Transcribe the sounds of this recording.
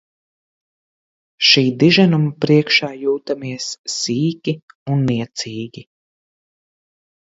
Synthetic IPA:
ʃiːd̪iʒanumapɾiɛkʃaːjuːt̪amiɛsːiːkʲi | unːiɛt̪sʲiːɡʲi

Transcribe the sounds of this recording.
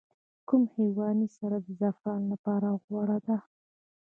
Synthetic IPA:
kumhewɑnisaɾad̪əzafɾɑnlapɑɾaɣwɑɽad̪a

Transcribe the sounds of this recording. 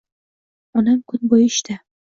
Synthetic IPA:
ɒnamkʰʊnbojɪʃt̪a

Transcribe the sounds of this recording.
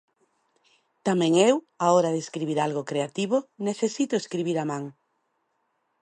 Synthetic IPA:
t̪amɛ̃ŋew | aoɾaðeskɾiβiɾalɣokɾeat̪iβ̞oneθesit̪ʊeskɾiβiɾamãŋ

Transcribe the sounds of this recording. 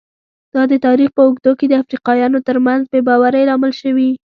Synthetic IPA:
d̪̥ɑd̪ət̪ɑɾixpəʊɡd̪oked̪əafɾiqɑjɑnot̪əɾmanzbebɑwaɾəjlɑmɪlʃəwi

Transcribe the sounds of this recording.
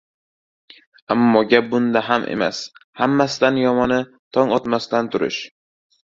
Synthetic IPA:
amːɒɡʲap̚bʊnd̪aɦamʔḛma̰shamːasɪd̪anjɒmɒnɪ | t̪ʰɒŋɒt̪mast̪ant̪ʰʊɾɪ̰ʃ

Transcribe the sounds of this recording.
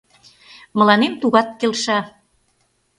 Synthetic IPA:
mə̆lɑnemt̪uɣɑt̪̚kelʃɑ

